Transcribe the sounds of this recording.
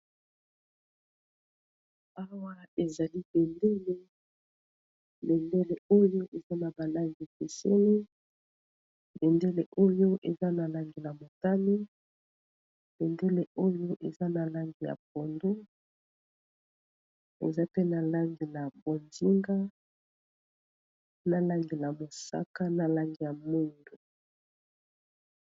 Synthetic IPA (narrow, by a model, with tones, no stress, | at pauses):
a˦wa˦e˨za˨li˦b̥e˨nde˦le˦ | be˨nde˦le˨o˦jo˦ʔe˨za˦na˨ba˨la˦ŋɡi˨pe˨sḛ˦li˦ | be˨nde˦le˨ʔo˦jo˦ʔe˨za˦na˨la˦ŋɡi˨na˨mo˨ta˦li˦ | b̥e˨nde˦le˨o˦jo˦ʔe˨za˦na˨la˦ŋɡi˨ja̰˨p̚o˨ndu˦ | ḛ˨za˦pe˦na˨la˦ŋɡi˨la˨bo˨nzi˦ŋɡa˦ | na˨la˦ŋɡi˨la˨mo˨sa̰˦ka˦na˨la˦ŋɡi˨ja˨mo˦ndu˨